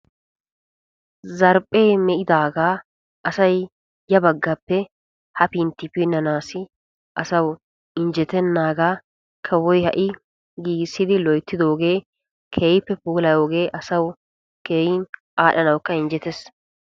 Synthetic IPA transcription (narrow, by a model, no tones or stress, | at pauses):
zɐɾpʼːeːmɛʔɪd̪aːɡaː | ʔɐsɐj | jɐbɐɡːɐpːɛ | hɐpint̪ːɪpinːɐnaːsɪ | ʔɐsɐw | ɪnd͡ʒɛt̪ɛnːaːɡaː | kʰɐwɔjhɐʔɪ | ɡiːɡsːɪd̪ɪlɔjt̪ːɪd̪o̞ːɡe̞ː | kʰeːjɪpːɛpuːlɐjo̞ːɡe̞ːʔɐsɐw | keːjɪnʔaːɗɐnɐwkːɐɪnd͡ʒɛt̪ɛs